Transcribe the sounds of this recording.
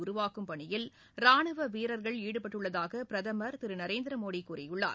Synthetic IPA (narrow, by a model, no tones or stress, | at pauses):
ʊɾʊʋaːkɯmpɐɳɪjɪl | ɾaːɳɯʋɐʋiːɾɐɾɣɐɭiːɽɯpɐʈːɯɭːɐðaːɣɐpɪɾɐðɐmɐɾt̪ɪɾɯnɐɾeːnd̪ɪɾɐmoːɽikuːɾɪjʊɭːa̰ːɾ